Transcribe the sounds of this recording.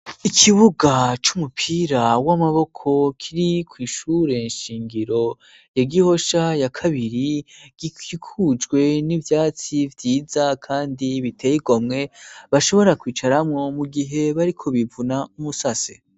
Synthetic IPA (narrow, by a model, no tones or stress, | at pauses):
ikʰiβuɡat͡ʃumupʰiɾawamaβo̞kʰo̞kʰiɾikwiːʃuːɾe̞nʃiːŋɡiɾo̞ | jaɡiho̞ʃajakʰaβiɾiɡ̥iikʰud͡ʒɡwe̞nivjaːt͡sivjiːzakʰaːndiβitʰe̞jiɡo̞mŋe̞βaʃo̞βo̞ɾakwiːt͡ʃaɾamŋo̞muɡiɦe̞βaɾikʰo̞βivunaumusase